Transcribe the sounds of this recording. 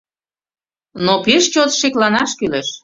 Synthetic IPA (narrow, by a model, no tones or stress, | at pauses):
nopeʃt͡ɕot̪ʃeklɑnɑʃkyleʃ